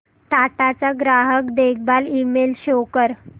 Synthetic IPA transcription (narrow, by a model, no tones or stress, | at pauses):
t̪at̪at͡saɡɾaɦəkd̪ek̚ʰbalimelɕokəɾ